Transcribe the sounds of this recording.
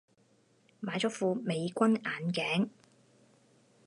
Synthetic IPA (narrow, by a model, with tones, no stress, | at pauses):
maː˨˧jt͡sɔː˨˥fuː˨˧me˨˧jkʷɐ˥naː˨˩nkɛː˨˥ŋ